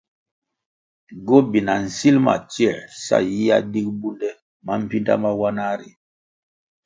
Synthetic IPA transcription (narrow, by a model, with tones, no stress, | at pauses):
ɡo˦bi˨na˨n̩˨si˦lma̰˨t͡ʃi˦ɛ˨ɾsa̰˦˨ji˦ja̰˦di˦k̚bu˦ndɛ˦ | ma˦m̩˦pi˦nda̰˦ma˦wa˦na˦ɾḭ˨